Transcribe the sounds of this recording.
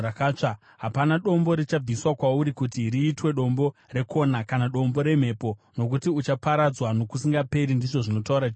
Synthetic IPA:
akaːt͡ʂa | ɦapanaɗo̞mbo̞ɾit͡ʃab͡viswakwauɾikutiriːtwe̞ɗo̞mbo̞re̞kʰo̞nakanaɗo̞mbo̞ɾe̞m̤e̞ːpo̞ | no̞k̬utiut͡ʃapaɾad͡zwano̞kusiŋɡape̞ɾindiʐo̞ʐino̞tauɾat͡ʃː

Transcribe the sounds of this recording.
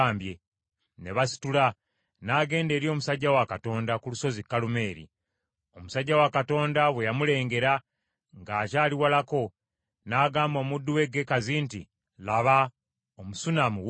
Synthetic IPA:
aːmbje | ne̞βasi̥tula | naːɡe̞ːnde̞ːɾjo̞ːmusaɟːawakato̞ːndakuluso̞zikːalume̞ːɾḭ | o̞musaɟːawakato̞ːndaβwe̞jamule̞ːŋɡe̞ɾa | ŋɡaːcaːliwalako̞ | naːɡaːmbo̞ːmudːuwe̞ɡe̞kazintḭ | laβa | omusunamu

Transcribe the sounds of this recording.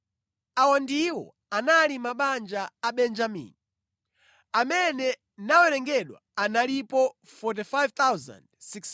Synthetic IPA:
awandiwɔ̰ | analimaɓand͡ʒaːɓɛnd͡ʒamḭːni | amɛnɛ | nawɛɾɛŋɡɛɗwa̰analipɔ | fɔt̬ifajvt̪awza̰ndsiks

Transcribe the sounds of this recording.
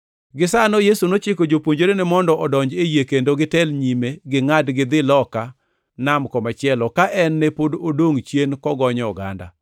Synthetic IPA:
ɡɪsanojesunot͡ʃɪkod͡ʒopwoɲd͡ʒoɾenɪmɔndɔʔɔdɔɲd͡ʒejekendoɡɪtɛlɲimeɡɪŋadɡɪd̪ɪlɔka | namkɔmat͡ʃɪɛlɔkaʔɛnːepododoŋt͡ʃjenkɔɡɔɲɔɔɡa̰nda̰

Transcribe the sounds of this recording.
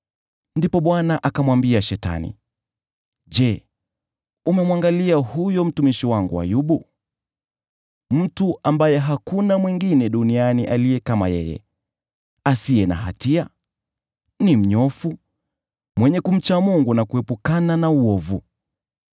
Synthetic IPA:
ndipɔɓwanaʔakamwambiaʃɛta̰nḭ | d͡ʒɛ | umɛmwaŋɡaliahujɔm̩tumiʃiwaŋɡua̰juɓu | m̩tuʔambajɛɦakunamwiŋɡinɛɗunianiʔalijɛkama̰jɛ̰jɛ̰ | asiɛna̰ɦa̰tia | nim̩ɲɔfu | mwɛɲɛkum̩t͡ʃamuŋɡunakuɛpukananauɔvu

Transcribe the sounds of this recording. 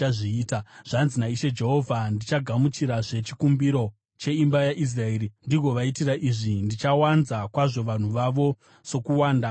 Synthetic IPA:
aiːtaʐ̥anzinaiʃe̞d͡ʒe̞ɦo̞vʱandit͡ʃaɡʱamut͡ʃiɾaʐe̞t͡ʃikumbiɾo̞ | t͡ʃe̞imbajaʔis̬raeːɾindiɡʱo̞ʋaitiraʔiʐindit͡ʃawanzakwaʐo̞ʋan̤uʋaʋo̞ | so̞kuwaːnda

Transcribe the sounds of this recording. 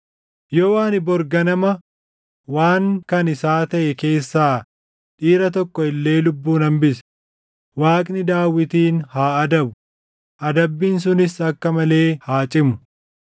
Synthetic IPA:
jɔwaːnɪbɔɾɡɐnɐmɐ | waːŋkɐnɪsaːt̪ɐʔɛke̞ːsːaː | ᶑiːɾɐt̪ɔkːɔɪlːe̞ːlʊbːuːnɐmbɪsɛ̥ | waːkʼnɪd̪aːwːɪt̪iːnhaːɐd̪ɐbʊ | ʔɐd̪ɐbːiːns̬ʊnɪsɐkːɐmɐle̞ːhaːt͡ʃʼɪmʊ̥

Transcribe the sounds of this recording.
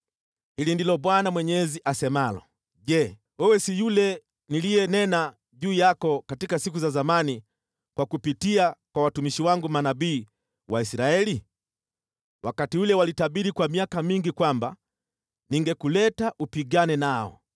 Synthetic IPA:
hilindilɔɓwanamwɛɲɛziʔasɛmalɔ̰ | ʄɛ | wɛwɛsijulɛ | nilijɛnɛna | ʄuːjakɔkatikasikuzazamani | kwakupitiakwawatumiʃiwaŋɡumanabiː | waisɾaɛli | wakatiulɛwalitaɓiɾikwamiakamiŋɡikwamba | niŋɡɛkulɛtaʔupiɡanɛnaɔ̰

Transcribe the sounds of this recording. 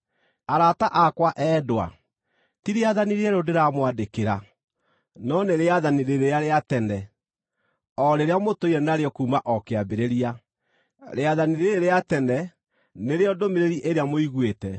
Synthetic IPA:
aɾataʔakwaʔɛdwa̰ | tiɾeaðaniɾeɛɾodeɾamwadekeɾa̰ | nɔneɾeaðaniɾeɾeaɾeatɛnɛ | ɔɾeɾeamotoiɾɛnaɾeɔkuːmaʔɔkeabeɾeɾia | ɾeaðaniɾeeɾeatɛnɛ | neɾeɔdomeɾeɾiʔeɾeamoiɣwetɛ

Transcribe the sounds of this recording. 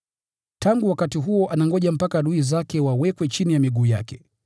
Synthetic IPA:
tʰaŋɡuwakatiɦuɔʔanaŋɡɔʄam̩pakaɗuizakɛwawɛkwɛt͡ʃinijamiɠuːja̰kɛ

